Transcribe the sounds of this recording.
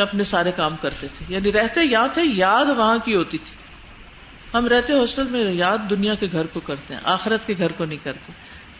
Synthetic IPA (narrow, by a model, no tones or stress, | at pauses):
ɐpnesaːɾekaːmkɐɾt̪et̪ʰejaːniɾɛɦt̪ejɐɦãt̪ʰejaːd̪ʋɐɦãkiɦoːt̪it̪ʰi̥ː | ɦɐmɾɛɦt̪eɦɔːsʈəlmẽjaːd̪ːʊnijakeɡʱɐɾkokɐɾt̪eɦɛ̰̃ʔaːxɪɾət̪keɡʱɐɾkonɐɦĩkɐɾt̪e